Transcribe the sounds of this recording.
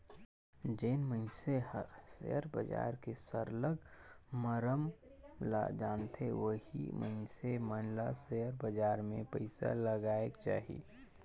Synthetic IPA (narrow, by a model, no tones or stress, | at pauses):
d͡ʒeːnməɪnseəɾsḛjəɾbə̰d͡ʒa̰ːɾkesəɾləɡməɾəmla̰d͡ʒaːnt̪ʰeʋəɦḭmʔə̰ɪnsemənlasejəɾbəd͡ʒaːɾmẽpəɪsa̰ləɡaːekt͡ʃa̰ːɦḭ